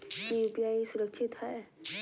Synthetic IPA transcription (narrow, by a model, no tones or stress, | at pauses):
kijupijaːisʊɾəkʃʰɪt̪ɦɛː